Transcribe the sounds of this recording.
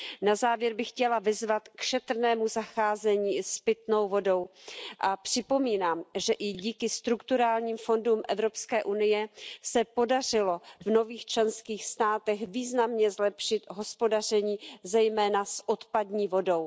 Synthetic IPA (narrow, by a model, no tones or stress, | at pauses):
nazaːvjɛɾbɪxcɛlavɪzvat̪kʃɛt̪r̩nɛːmuzaxaːzɛɲiːspɪt̪no̞wvo̞do̞wʔapr̥ɪpo̞miːnaːmʒɛʔɪɟiːkɪst̪ɾukt̪uɾaːlɲiːmfo̞ndumʔɛvɾo̞pskɛːʔunɪjɛsɛpo̞dar̝ɪlo̞vno̞viːxt͡ʃlɛnskiːxst̪aːt̪ɛxviːznamɲɛzlɛpʃɪt̪ɦo̞spo̞dar̝ɛɲiːzɛjmɛːnasʔot̪padɲiːvo̞do̞w